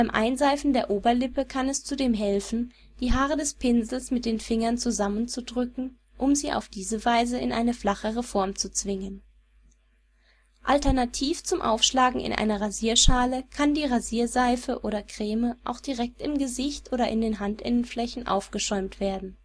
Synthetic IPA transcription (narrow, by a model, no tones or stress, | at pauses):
b̥aɪmʔa̰ɪnzaɪfn̩deːɐʔoːbɐlɪpəkʰanɛst͡sudeːmɦɛlfn̩ | d̥iːɦaːʁədɛspʰɪnzl̩smɪt̚d̥eːnfɪŋɐnt͡suzamənt͡sudʁʏkŋ̩ | ʔʊmziːʔa̰ʊfd̥iːzəvaɪzəɪ̰nʔa̰ɪnəflaχəʁəfɔɐmt͡sut͡sv̥ɪŋən | ʔaltɛɐnatʰiːft͡sʊmʔa̰ʊfʃlaːɡŋ̩ɪ̰nʔa̰ɪnɐʁaziːɐʃaːləkʰandiːʁaziːɐzaɪfəʔoːɾɐkʁ̥eːməʔa̰ʊxd̥iʁɛk̚tɪmɡəzɪçtʔoːɾɐʔɪndeːnɦantʔɪnənflɛçn̩ʔa̰ʊfɡ̥əʃɔʏmtv̥eːɐdn̩